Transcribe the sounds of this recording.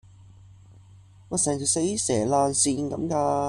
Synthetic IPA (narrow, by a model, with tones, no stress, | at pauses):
ŋɔː˨˧sɛː˨˩ŋt͡si˨˩se˨˥jsɛː˨˩laː˧nsiː˧nkɐ̰˨˧˥mkaː˧